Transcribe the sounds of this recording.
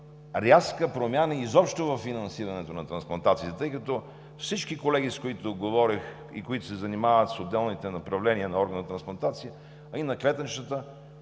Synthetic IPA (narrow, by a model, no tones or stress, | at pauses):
ɾʲjaskəpɾomʲjanəizɔpʃt̪ovɐfːinɐnsiɾɐnɛt̪onɐt̪ɾɐnsplˠɐnt̪at̪siːt̪ət̪əjkɐt̪ɔ | fsit͡ʃkikolɛɡ̟iskoit̪ʊɡovɔɾix | ḭkoit̪ʊsɛzɐnimavət̪sod̪ːɛlˠnit̪ɛnɐpɾɐvlɛniənɐɔɾɡənɐt̪ɾɐnsplˠɐnt̪at̪sijə | ɐinɐklɛt̪ənt͡ʃt̪ət̪ə